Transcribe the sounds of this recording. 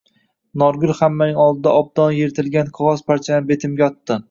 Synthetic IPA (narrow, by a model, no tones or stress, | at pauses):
nɒɾɡʊlhamːanɪŋɒlˠd̪ɪd̪aɒb̚d̪̥ɒnjeɾɪt̪ʰɪlɡʲanqʰɒʁɒzpʰaɾt͡ʃʰanɪbe̞t̪ʰɪmɡʲaɒt̪ːɪ